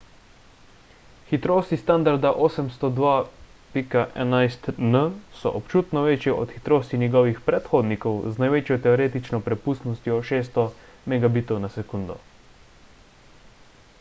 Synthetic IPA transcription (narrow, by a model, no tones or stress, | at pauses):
xit̪ɾoːst̪ist̪and̪aɾd̪aʔoːsɛmst̪ɔd̪ʋaː | pikaʔɛ̰najst̪nəsɔ̰ʔɔpt͡ʃuːt̪nɔʋeːt͡ʃjɛʔɔ̰t̪xit̪ɾoːst̪injɛɡɔːʋixpɾɛt̪xoːd̪nikɔwznajʋeːt͡ʃjɔt̪ɛɔɾeːt̪it͡ʃnɔpɾɛpuːst̪nɔst̪jɔʃeːs̬t̪ɔ | mɛɡabiːt̪ɔwnasɛkund̪ɔ̰